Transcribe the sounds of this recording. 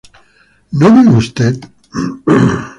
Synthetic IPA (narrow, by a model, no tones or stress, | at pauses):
noβiust̪et̪